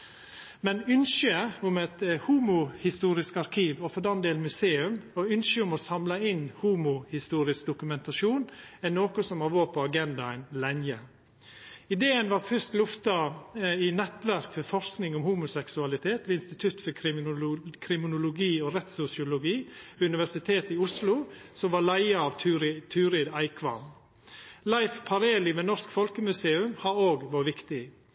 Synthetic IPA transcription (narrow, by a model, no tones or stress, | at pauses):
mɛnʏnʃəʊmɛt̪huːmʊhɪst̪uːɾɪskɑɾkʰiːʋɔfɔd̪ɛnd̪eːlnmʉseːʉmɔʉnʃəʊmɔsɑmlɑɪnhuːmʊhɪst̪uːɾɪsk̚d̪ʊkʉmɛnt̪ɑʃuːnɛnːoːkʊsɔmɑʋoːɾpʰɔɑɡɛnd̪ɑɛɪnlænjə | ɪd̪eːənʋɑɾfʉst̪lʊft̪ɑɪnɛt̪ʋæɾkfɔɾfɔʂsknɪŋɔmhuːmʊsɛksʉɑlɪt̪ʰeːt̪ʋeɪnst̪ɪt̪ʰʉt̪fɔ | kʰɾɪmɪnʊlʊɡiːoːɾɛt̪sʊsɪʊlʊɡiːʉnɪʋæʂɪt̪ʰeːt̪ɪʊslʊsɔmʋɑːlæɪəɑʋ̪ɾt̪ʰʉːɾɪd̪æɪkʰʋɑ̰n | lɑɪfpʰɑɾeːlɪʋeːnɔʂkfɔlkəmʉseːʉmhɑɾoːɡʋɑːʋɪkt̪ɪ